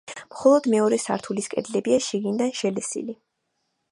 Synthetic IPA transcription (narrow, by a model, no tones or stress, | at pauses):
mχɔlˠɔd̪mɛɔɾɛsa̰ɾt̪ʰuliskʼɛ̰d̪lɛbiaʃiɡind̪anʃɛlɛsḭli